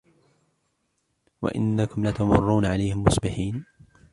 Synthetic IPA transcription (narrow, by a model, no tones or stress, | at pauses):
wa̰ʔɪ̰nːakʊmlat̪amʊrˤːuːnaʕalajhɪmːʊsbɪħiːn